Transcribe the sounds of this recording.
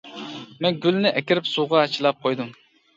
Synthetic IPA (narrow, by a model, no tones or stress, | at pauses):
mɛnɡʲylnɪʔɛkʲiɾɪpsuʁɑt͡ʃʰilˠɑp̚qʰojd̪ɨm